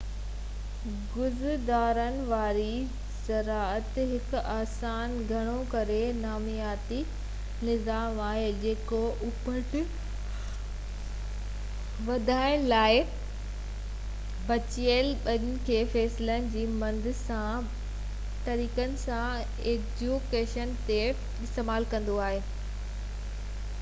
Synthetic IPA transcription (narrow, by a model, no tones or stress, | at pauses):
ɡʊzd̪aːɾənɪ̆ʋaːɾi | sɐɾaːət̪ɦɪkaːsaːnɡʱɐɽ̃õkɐɾenaːmijaːt̪i | nɪzaːmaːɦed͡ʑeːkoʔʊpəʈ | ʋɐd̪ʱaːɪɽ̃laːɪ | bɐt͡ɕiəlɓɐɗɪnɪ̆kʰeːfɛːsɪlənɪ̆d͡ʑiːmɐ̃nd̪ʱɪ̆sã | t̪ɐɾiːkənɪ̆sã | eːd͡ʑukeːʃənt̪e | ɪst̪eːmaːlkɐ̃nd̪oaːɦeː